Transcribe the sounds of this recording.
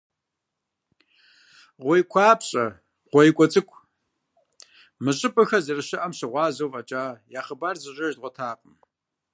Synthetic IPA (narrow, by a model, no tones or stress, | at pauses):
ʁʷɔjkʷʰaːpɕʼɐ | ʁʷɔjkʷʼɔt͡sʼɨkʷʼʰ | mɨɕʼɨpʼɐxɐzɐrɨɕɪʔɐmɕɨʁʷɑːzowvɐt͡ʃʼaːjaːχəbaːrzɨʒʷʼɐʒd̚ʁʷɔtʰaːqʼəm